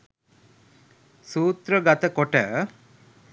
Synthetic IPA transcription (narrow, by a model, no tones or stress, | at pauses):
suːt̪ɾəɡat̪əkoʈə